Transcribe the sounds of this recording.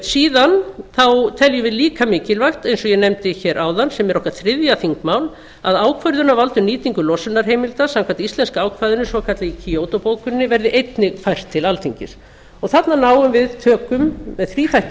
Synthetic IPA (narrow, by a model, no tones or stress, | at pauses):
siːðanθawt̪ʰɛljʏvɪðliːkamɪːcɪlvajxt̪ejnsɔjɛnemt̪ɪçɛːɾʔaːwðansɛmɛɾɔhkaɾθɾɪðjaθiŋkmawl | aðaːwkʰvœɾðʏnavalt̪ʏniːt̪iŋkʏlɔsʏnaɾ̥ɦeːjmɪlt̪asamkʰvant̪ist̪ɛnskaaːwkʰvajðʏnʏsvɔkʰat̪lɪicʰiowt̪opoːwkʏnːɪvɛɾðɪʔejt̪nɪɣfajr̥t̪ʰːɪlalt̪ʰiɲcɪ̰s | ɔɣθat̪nanaːwʏmvɪðt̪ʰœːkʏmːɛðθɾiːt̪ʰaj